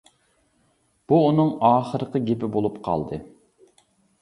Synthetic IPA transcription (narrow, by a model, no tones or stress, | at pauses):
b̥uːnɨŋɑːχəɾəqəɡʲepɪbolˠupqʰɑ̰lˠd̪ɨ